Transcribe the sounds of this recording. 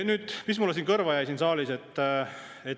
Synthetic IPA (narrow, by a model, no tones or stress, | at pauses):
nyːd̪̥mis̬mulːesiːnkɤrvɑjæjsinsɑːlise̞t̪ːˑ | et̪